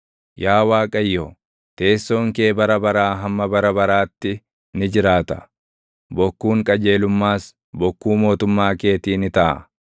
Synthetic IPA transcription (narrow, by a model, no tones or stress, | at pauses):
jaːwaːkʼɐjːo | t̪e̞ːsːo̞ːŋke̞ːbɐɾɐbɐɾaːɦɐmːɐbɐɾɐbɐɾaːt̪ːɪ | nɪd͡ʒɪɾaːt̪ɐ̥ | bɔkːuːŋkʼɐd͡ʒe̞ːlʊmːaːs | bɔkːuːmo̞ːt̪ʊmːaːke̞ːt̪iːnɪt̪ɐʔɐ̰